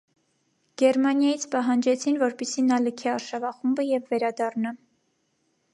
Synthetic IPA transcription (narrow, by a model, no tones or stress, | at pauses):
ɡ̥ɛɾmɑnjɑjit͡sʰpɑɦɑnd͡ʒɛt͡sʰinvɔɾpisinɑləkʰiɑɾʃɑvɑχumbəjɛvːɛɾɑd̪ɑrnɑ